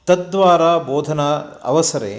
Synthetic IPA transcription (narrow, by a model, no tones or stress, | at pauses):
t̪ɐd̪ʋaːɾaːboːd̪ʱɐnɐɐ̰ʋɐsɐɾḛː